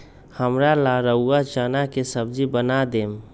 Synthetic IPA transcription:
həmɾalaɾəuːat͡ʃaːnakesəbd͡ʒibənad̪eːm

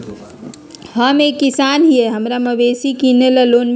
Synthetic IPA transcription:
həmekːisanɦieɦəmɾaməbesikineləlonb

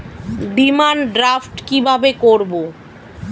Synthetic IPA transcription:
bimanɖɾafʈkibʱabekoɾbo

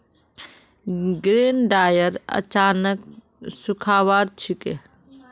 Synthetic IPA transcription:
ɡɾeːnɖaːjəɾɐ̰t͡ʃaːnək̚ | sʊkʰaːʋaːɾt͡ʃʰike

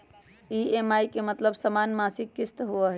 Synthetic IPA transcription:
iemaikemət̪ləbsəmanmasikːɪst̪ɦuəɦɛ

